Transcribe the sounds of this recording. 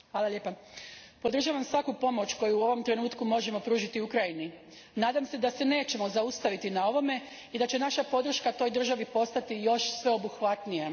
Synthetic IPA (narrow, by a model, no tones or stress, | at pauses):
xʋaːlalʎje̞ːpapo̞d̪r̩ʒaʋamsʋakupo̞mo̞t͡ɕko̞juːo̞ʋo̞mt̪ɾe̞nuːt̪kumo̞ʒe̞mo̞pɾuːʒit̪iukɾajini | naːd̪amse̞d̪ase̞ne̞ːt͡ɕe̞mo̞zaust̪aʋit̪inao̞ʋo̞me̞ | id̪at͡ɕe̞naʃapo̞d̪r̩ʃkat̪o̞jd̪r̩ʒaʋipo̞st̪at̪ijo̞ʃsʋe̞o̞buxʋat̪nije